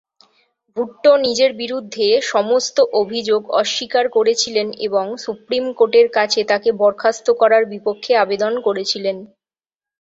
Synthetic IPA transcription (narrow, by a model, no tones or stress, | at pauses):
bʱuʈːonid͡ʑeɾbiɾud̪ʱːeʃɔmost̪oʔobʱid͡ʑoɡɔʃːikaɾkoɾet͡ɕʰilenḛboŋsupɾimkoʈeɾkat͡ɕʰet̪akebɔɾkʰast̪okɔɾaɾbipokʰːeabed̪onkoɾet͡ɕʰilen